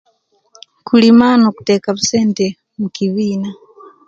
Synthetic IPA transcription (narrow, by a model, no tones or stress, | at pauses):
kʰulimanoku̥tekaβuseːnte | mukiβiːna